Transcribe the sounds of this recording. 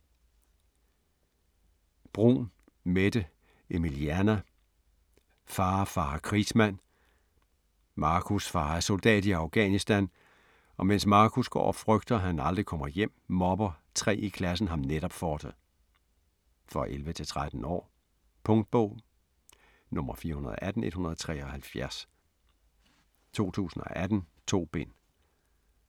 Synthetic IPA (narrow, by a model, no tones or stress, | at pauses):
b̥ʁṵːn | med̥ə | e̝miliænæ | fɑ̈ːfɑ̈ːkʰʁismæn̰ | mɑ̈ːkʰusfɑ̈ːæɐso̝ld̥ɛ̰ːd̥iɑ̈ʊɡ̥ɛ̰ːnisd̥æn | ɒ̽men̰smɑ̈ːkʰusɡ̥ɒ̰ːfʁœɡ̥d̥ɐɦænɑ̈ld̥ʁikʰɒ̽m̰ɐjem̰mɒ̽b̥ɐt͡sʰʁɛ̰ːikʰlæs̬n̩ɦɑ̈mneɾ̥ɒb̥fɒːd̥ | fʁɒ̽ʔelʋət͡sʰe̝lt͡sʰʁad̥n̩ɒ̰ː | pʰɔ̽ŋd̥̚b̥ɔʊ̰ | nɔ̽m̰ɐfiːɐhunɐðˠʔæd̥n̩e̝d̥hunɐðˠɒt͡sʰʁɛ̰ːɒ̽hælfjæɐs | t͡sʰo̝̰ːt͡sʰṵːsn̩ɒʔæd̥n̩t͡sʰo̝̰ːb̥e̝n̰